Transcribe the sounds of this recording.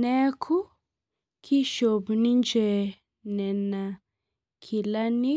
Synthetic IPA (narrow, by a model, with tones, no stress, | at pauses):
nɛ˦kʰu˦ | kʰi˦ʃo˨bnĩ˦nd͡ʒe˨ | nɛ˨nã˨ | kʰi˨la˦ni˦